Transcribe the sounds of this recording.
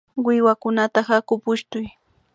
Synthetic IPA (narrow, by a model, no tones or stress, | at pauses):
wɪwakʊnat̪ahakʊpʊʃt̪ʊj